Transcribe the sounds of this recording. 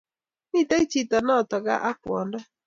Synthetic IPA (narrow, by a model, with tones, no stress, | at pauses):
ni˦˨ta˦i˦t͡ʃi˦˨tɔ˨nɔ˦˨tɔ˨ɡa̰˦ʔa˦kwɔ˨ndɔ˦